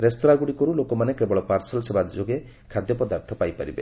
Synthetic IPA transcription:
ɾest̪oɾaɡuɽikɔɾulokɔmanekebɔɭɔpaɾsɔlsebad͡ʒoɡe | kʰad̪jɔpɔd̪aɾt̪ʰɔpajpaɾḭbe

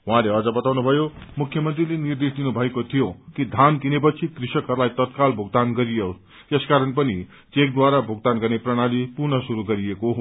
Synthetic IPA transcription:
ɦũãleʌd͡zʌbʌt̪awnubʱʌjomukʰːjʌmʌnt̪rilenird̪esd̪inubʱʌekot̪ʰijokid̪ʱankinep̬ʌt͡sʰikrisʌkɦʌɾulajt̪ʌt̪kalbʱuɡ̚d̪anɡʌɾijo | t̪eskaɾʌnpʌni | t͡sek̚d̪waɾabʱuɡ̚d̪anɡʌrneprʌɽ̃alipurnʌsuɾuɡʌɾijeko

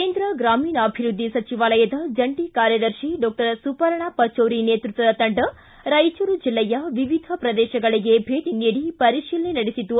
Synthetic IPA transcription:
keːnd̪ɾɐɡɾaːmiːnɐːbʱiɾud̪ʱːisɐt͡ʃiʋaːlɐjɐd̪ɐd͡ʒɐɳʈikaːɾjɐd̪ɐɾʃiɖɔːk̚ʈɐɾsupɐɾɐɳapɐt͡ʃoːɾineːt̪ɾut̪ʋɐd̪ɐt̪ɐɳɖɐ | ɾɐjt͡ʃɐɾud͡ʒilːɛjɐʋiʋid̪ʱɐpɾɐd̪ɛːʃɐɡɐɭiɡe̞bʱeːʈiniːɽipɐɾiʃiːlɐnenɐɽesit̪u

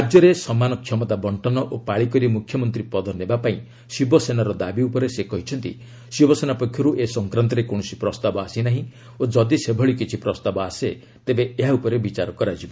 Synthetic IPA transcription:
ad͡ʒjɔɾesɔmanɔkʰjɔmɔt̪abɔɳʈɔnɔʔopaɭikɔɾimukʰjɔmɔnt̪ɾipɔd̪ʱɔnebapaĩ | sibɔsenaɾɔd̪abiupɔɾesekɔɦit͡ʃʰɔnt̪ḭ | sibʱɔsenapɔkʰjɔɾuʔesɔŋkɾant̪ɔɾekoɽ̃ɔsipɾɔst̪abɔasinaɦĩ | od͡ʒɔd̪isebʱɔɭikit͡ʃʰipɾɔst̪abɔase | t̪ebeeɦaupɔɾebit͡ʃaɾɔkɔɾad͡ʒibɔ

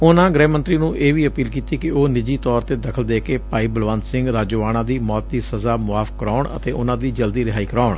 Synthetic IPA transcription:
ʊnãːɡɾɛ̃ːmə̃nt̪ɾiːnũːʔeːʋiːəpiːlkiːt̪iːkɪoːnɪd͡ʒiːt̪ɔːɾt̪eːd̪əkʰəld̪eːkeːpaːiːbəlʋãːnsɪ̃ŋɡɾaːd͡ʒoːʋaːɽãːd̪iːmɔːt̪̚d̪iːsəzaːmʊaːfkəɾaːʊɳə̰t̪eːʔʊnãːd̪iːd͡ʒəld̪iːɾɪɦaːiːkəɾaːʊɳ

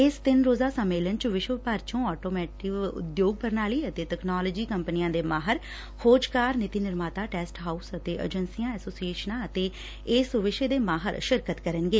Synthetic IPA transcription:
ɪst̪ɪnɾoːzaːsəmːeːlənt͡ʃʋɪʃəpaɾt͡ʃõːɔːʈoːmɛːʈɪkʊ̰d̪joːɡ̚pəɾnaːliːət̪eːʈ̪ɛknaːləːd͡ʒiːkəmpənɪjãːd̪eːmaːɦəɾ | hoːd͡ʒkaːɾnɪt̪iːnɪɾmaːt̪aːʈɛːsʈɦaːuːsət̪eːʔə̰d͡ʒənsijãːɛːsoːsieːʃənãːət̪eː | ɪsʋɪʃəd̪eːmaːɦə̰ɾʃɪɾkət̪kəɾənɡeː

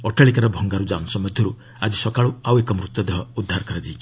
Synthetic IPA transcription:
ɔʈaɭikaɾɔbʱɔŋɡaɾud͡ʒamsɔmɔd̪ʱjɔɾu | ad͡ʒisɔkaɭuawekɔmɾut̪ːɔd̪eɦɔud̪ʱːaɾɔkɔɾad͡ʒi

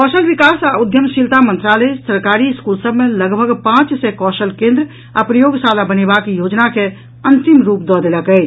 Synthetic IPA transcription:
kɔsəlʋikasaud̪ʱjəmʃilt̪amə̃nt̪ɾalesəɾkaɾiɪskulsəbmeləɡbʱəɡpãt͡ʃsekɔsəlkẽnd̪ɾ | apɾəjoɡsalabənebakijoːd͡ʒnake | ənt̪imɾuːp̚d̪ɔd̪eləkɛɪt͡ʃʰ

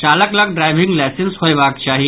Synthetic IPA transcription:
t͡ʃaːləkləɡɖɾaːjʋĩŋɡlajsɪnsɦojʋaːk̚t͡ʃaːɦi

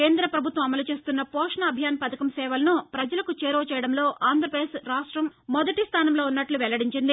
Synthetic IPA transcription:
keːnd̪ɾɐpɾɐbʱut̪ʋɐmɐmɐlut͡ʃe̞ːst̪unːɐpɔːʂɳɐːbʱijaːnpɐd̪ʰɐkɐmsɛːʋɐlɐnupɾɐd͡ʒɐlɐkut͡ʃeːɾoːt͡ʃɛːjɐɽɐmlo̞ːʔaːnd̪ʱɾɐpɾɐd̪esɾaːʂʈɾɐmmːɔd̪ɐʈist̪ʰaːnɐmlo̞ːunːɐʈluʋɛlɐɽiɲt͡ʃind̪i

